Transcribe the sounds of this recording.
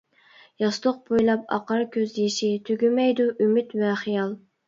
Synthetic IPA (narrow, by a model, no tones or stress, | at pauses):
jɑst̪ˠoq̚bojlˠɑp̚ɑ̰qʰɑɾkʲʰøzjiʃit̪ʰyɡʲymɛjd̪uʔymɪt̪vɛχijɑlˠ